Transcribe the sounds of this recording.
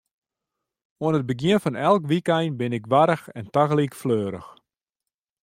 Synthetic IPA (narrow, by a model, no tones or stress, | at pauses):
oənət̚bəɡjɪənfɔnɛlˠkʋikɛjnbɪnɪkʋaɾəxɛntaɣlˠikfløːɾə̰x